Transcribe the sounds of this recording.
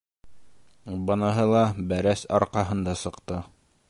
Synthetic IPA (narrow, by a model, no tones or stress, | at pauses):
bɤ̆nɤɦɤlˠɑbæɾæsɑ̰ɾqɑɦɤ̆nd̪ɑsɤ̆qt̪ɤ